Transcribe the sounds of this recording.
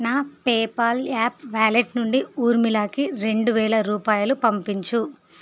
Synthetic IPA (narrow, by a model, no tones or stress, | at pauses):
naːpeːpɐlaːpʋaːleʈnuɳɖiuːɾmilaːkiɾe̞ɳɖuʋɛːlɐɾuːpaːjɐlupɐmpiɲt͡ʃu